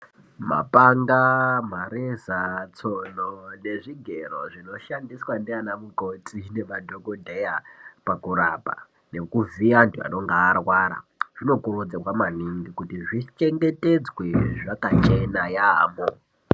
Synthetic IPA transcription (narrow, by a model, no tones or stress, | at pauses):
ma̰paŋɡamaɾezat͡sonone̞ʐiɡʱero̞ʐino̞ʃandiswandianamukotʰine̞ʋadʱoɡodʱejapakuɾa̰pa̰ | ne̞kuviantua̰no̞ŋɡaːrwaɾa̰ʐ̥ino̞kurud͡zakwamaniŋɡikutiʐit͡ʃe̞ŋɡe̞te̞d͡zwe̞ʐakat͡ʃenajaːmo